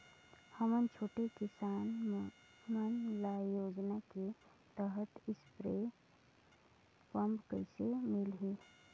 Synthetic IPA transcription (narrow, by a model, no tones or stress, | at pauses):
həmənt͡ʃʰoːʈekɪsaːn | mənlajoːd͡ʒnake | t̪əɦət̪ɪspɾe | pə̃mbkəsemɪlɦeː